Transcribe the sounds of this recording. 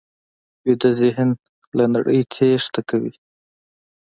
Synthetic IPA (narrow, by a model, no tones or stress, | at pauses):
wid̪azɪɦɪn | lanaɽəjt͡sʰeʂt̪akawḭ